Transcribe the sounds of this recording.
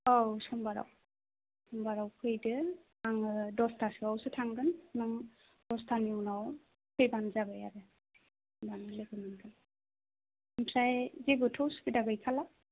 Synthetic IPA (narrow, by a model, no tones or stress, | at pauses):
ɔwsɔmbaɾa̰w | sɔmbaɾawkʰɯjdɯ | aŋɯdɔstʰasɯawsɯtʰaŋɡɯnnɔŋ | d̥ɔstʰaniɔwnaw | kʰɯjbanzabaja̰ɾɯ | baŋleɡɯmɯnkʰɯn | mpʰɾajzibɯtʰɯwsu̥pidaɡɯjkʰala